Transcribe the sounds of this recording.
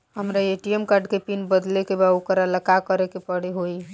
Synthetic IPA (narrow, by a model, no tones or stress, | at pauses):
ɦəmɾaeʈiemkaɾɖkepinbəd̪lekebaokəɾaləkakəɾekepəɽeɦoi